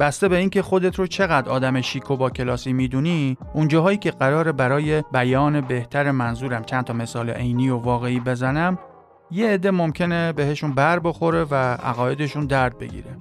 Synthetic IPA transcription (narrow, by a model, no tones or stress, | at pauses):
b̥æst̪e̞be̞iːncʰe̞xo̞d̪e̞t̪ʰɾot͡ʃʰe̞ɣæd̪ɾɒːd̪æmeʃikʰo̞bɒːcʰe̞lɒːsiːmid̪uniʔund͡ʒɒːɦɒːiːcʲʰe̞ɢæɾɒːɾe̞bæɾɒːje̞bæjɒːne̞be̞ht̪ʰæɾemænzuːɾæmt͡ʃʰænt̪ʰɒːme̞sɒːlḛʔejniːjovɒːɣe̞iːbe̞zænæm | jeːd̪ːe̞mo̞mcʰe̞ne̞be̞ɦe̞ʃunbæɾbo̞xo̞ɾe̞vææ̰ɣɒːje̞d̪e̞ʃund̪æɾd̪̚be̞̰ɟḭːɾe